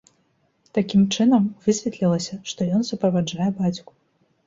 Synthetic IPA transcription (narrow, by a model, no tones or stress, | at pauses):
t̪akʲimt͡ʂɨnɐmvɨsʲvʲɛt̪lʲilˠɐsʲɐʂt̪ɔjɔnsupɾɐvad͡ʐajɛbat͡sʲku̥